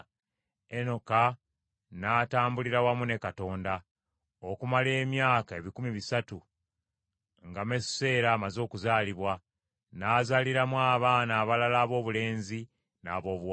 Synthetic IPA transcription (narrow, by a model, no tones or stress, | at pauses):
eno̞ka | naːtaːmbuliɾawamune̞kato̞ːnda | okumale̞ːmjaːkae̞βikumiβisatu | ŋɡamesse̞ːɾaːmazo̞ːkuzaːliβwa | naːzaliɾamwaːβaːnaːβalalaːβo̞ːβule̞ːnzi | naːβo̞ːβw